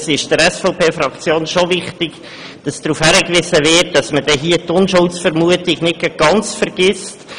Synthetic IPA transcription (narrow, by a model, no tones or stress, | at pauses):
sɪʃd̥əɾɛsfɔʊpʰeːfɾɑkt͡sjoːnʃovɪχtɪɡ̥ | d̥ɑsd̥ɾuːfhæɾəkʋɪsəvɪːt̚d̥ɑsməd̥ɛɦiətʊnʃʊlsfəɾmuətɪɡnɪt̚kəɡ̥ɑnt͡sfəɾɡ̥ɪst